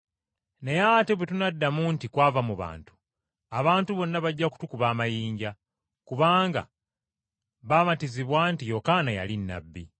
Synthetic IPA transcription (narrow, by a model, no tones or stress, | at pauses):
nejate̞βwetunadːamuntikwaːvamuβa̰ːntu̥ | aβaːntuβo̞nːaβaɟːaku̥tukuβaːmajiːɲɟa | kuβaːŋɡa̰ | βaːmatiziβwantijo̞kaːnaja̰linːa̰bːḭ